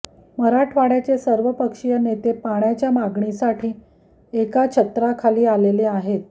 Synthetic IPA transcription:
məɾaʈʰʋaɽjat͡ɕesəɾʋəpəkʂijənet̪epaɳjat͡ɕjamaɡɳisaʈʰiː | ekat͡ɕʰət̪ɾakʰaliːaleleaɦet̪̚

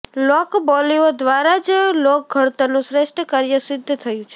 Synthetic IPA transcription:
lɔkbɔliod̪ʋaɾad͡ʒlok̚ɡʱəɽt̪anũsɾeʃʈʰəkaɾjəsɪd̪ʱːt̪ʰəjũt͡ʃʰe̥

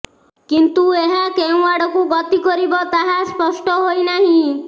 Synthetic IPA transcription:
kint̪ueɦakew̃waɽɔkuɡɔt̪ikɔɾibɔt̪aɦaspɔsʈɔɦojnaɦĩ

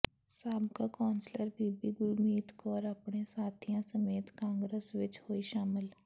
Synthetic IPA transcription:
saːbkakaːnsləɾbiːbiɡʊɾmiːt̪kɔːɾəpɳesaːt̪ʰijãsəmeːt̪kãːŋɡɾəsʋɪt͡ʃhoːiʃaːmɪl

